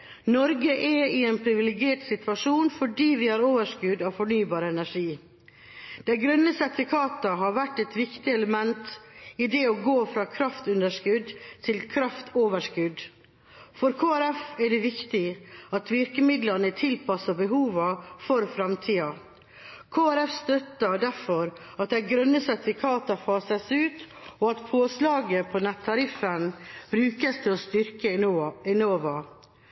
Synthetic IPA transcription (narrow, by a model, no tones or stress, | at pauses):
nɔɾɡəʔɛɪɛnpʰɾɪʋɪlɪɡeːʈsɪt̪ʋɑʂuːnfɔɖiːʋɪhɑɾoːʋəʂkʉd̪ɑʋfɔɳyːbɑːɾəɛnæʂiː | d̪̥æɪɡɾœnːəsɛt̪ɪkʰɑːt̪əɦɑːɾʋæʈːɛt̪ʋɪkt̪ɪɛləmɛnt̪ɪd̪ɛoɡoːfɾɑːkʰɾɑft̪ʉnd̪əʂkʉd̪t̪ʰɪlkʰɾɑft̪ʰoːʋəʂkʉd̪ | fɔɾkʰoːæɾɛfɛɖɛʋɪkt̪ɪɑt̪ʋɪɾkəmɪd̪lɑnət̪ʰɪlpɑsɑbəɦuːʋɑfɔɾfɾɑmt̪ʰiːɑ | kʰoːæɾɛfst̪œt̪ːəd̪æɾfɔɾ | ɑt̪̚d̪ɛɡɾœnːəsɛt̪ɪfɪkʰɑːt̪ɑfɑːsəsʉːt̪ | ɔɑt̪pʰoːslɑːɡəpʰɔnɛt̪ʰːɑɾɪfənbɾʉːkəst̪ʰɛɔst̪ʏɾkəɛnoːʋɑ